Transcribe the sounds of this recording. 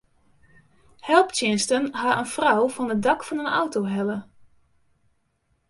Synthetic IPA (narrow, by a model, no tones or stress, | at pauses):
hɛlˠptɪnstənɦaʔənfrɔwvɔnədɑkfɔnəna̰wtoɦɛlə